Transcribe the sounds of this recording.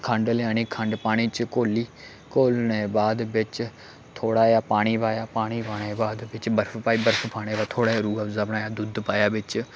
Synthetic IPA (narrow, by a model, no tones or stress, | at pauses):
kʰəɳɖleãːñiːkʰə̃ɳɖpaːɽ̃iːt͡ʃkoːliː | koːlneːbaːd̪bɪt͡ʃ | t̪ʰoːɽaːjaːpaːɽ̃iːpaːjaːpaːɽ̃iːpaːɽ̃eːbaːd̪bɪt͡ʃbəɾpʰpaːiːbəɾpʰpaːɽ̃eːbaːt̪ʰoːɽaːɾuːazabɳaːjaːd̪ʊd̪paːjaːbɪt͡ʃ